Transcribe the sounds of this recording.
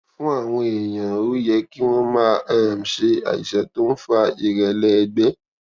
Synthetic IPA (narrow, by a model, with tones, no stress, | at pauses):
fũ˦a˦˨w̃ɔ̃˧e˨j̃ã˨o˦jɛ˨˦ki˦w̃ɔ̃˦mã˦a˦˨m̩˨ʃe˧a̰˨ḭ˨ʃɛ˨˦to˦n̩˦fa˧i˨ɾɛ˨lɛ˦˧ɡ͡bɛ˦